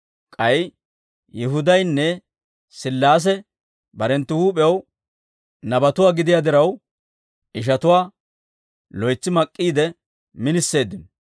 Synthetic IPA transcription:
kʼɐj | jɪɦʊd̪ɐjnːɛ | sɪlːaːs̬ɛ | bɐɾɛnt̪ːɪhuːpʼɛw | nɐbɐt̪ʊwaːɡɪd̪ɪjaːd̪ɪɾɐw | ʔɪʃ̬ɐt̪ʊwaː | lɔjt͡sːɪmɐkʼːiːd̪ɛ | mɪnɪsːe̞ːd̪ːɪn

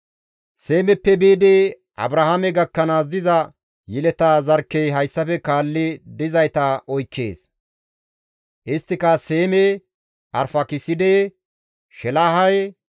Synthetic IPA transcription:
se̞ːmɛpːɛbiːd̪ɛ | ʔɐ̰bɾɐhamɛɡɐkːɐnaːs̬d̪ɪzɐ | jɪlɛt̪aːzɐɾkːejɦɐjsːɐfɛkaːlːɪd̪ɪzɐjt̪ɐɔjkːe̞̰ːs | ʔɪst̪ːɪkɐse̞ːmɛ | ʔɐɾfɐkɪsɪd̪ɛ | ʃɛlaːɦɐj

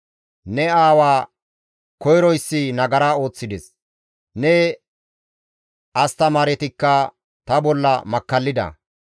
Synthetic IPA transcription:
nɛaːwaː | kɔjɾɔjsːɪnɐɡɐɾaːo̞ːt͡sːɪd̪ɛs | nɛ | ɐst̪ɐmaːɾɛt̪ɪkːɐ | t̪ɐbɔlːɐ̰mɐkːɐlːɪd̪ɐ̰

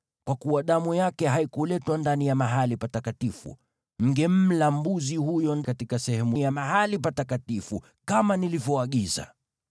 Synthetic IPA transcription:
kwakuwaɗamujakɛɦaikulɛtwandanijamaɦalipatakatifṵ | m̩ɡɛm̩lam̩buzihujɔnkatikasɛhɛmujamaɦalipatakatifṵ | kamanilivjɔaɠiza̰

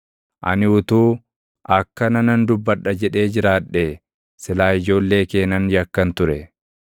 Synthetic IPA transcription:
ʔɐ̰nɪʊt̪uː | ʔɐkːɐnɐnɐnd̪ʊbːɐᶑːɐd͡ʒɛᶑe̞ːd͡ʒɪɾaːᶑe | sɪlaːɪd͡ʒo̞ːlːe̞ːke̞ːnɐnjɐkːɐnt̪ʊɾɛ

